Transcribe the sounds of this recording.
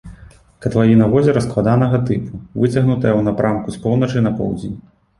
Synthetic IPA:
kɐt̪vajinɐvɔzʲɛɾɐsklˠad̪anɐɣɐt̪ɨpuvɨt͡sʲɐɣnut̪ɐjɐwnapɾamkuspɔwnɐt͡ʂɨnɐpɔ̰wd͡zʲenʲ

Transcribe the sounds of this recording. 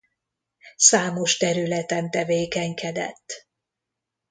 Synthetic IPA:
saːmo̞ʃt̪ɛɾylɛt̪ɛnt̪ɛveːkɛŋkɛd̪ɛ̰t̪ː

